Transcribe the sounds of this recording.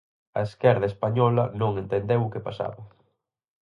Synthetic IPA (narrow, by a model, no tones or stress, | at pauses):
ɐ̰eskɛɾðɐespaɲɔlɐnõŋẽnt̪end̪ewʊkepasa̰βɐ